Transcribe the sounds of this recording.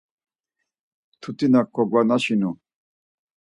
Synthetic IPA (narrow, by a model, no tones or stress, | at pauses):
t̪ʰut̪ʼinakʰːɔɡwanaʃinu